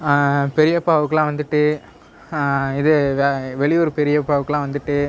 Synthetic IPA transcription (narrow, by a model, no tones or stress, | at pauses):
pɛɾɪjɐpːaːʋɯkːɐlãːʋɐnd̪ɯʈːɯ | ɪðɯʋɛɭɪjoɾpɛɾɪjɐpːaːʋɯkːɐlãːʋɐnd̪ɯʈːɯ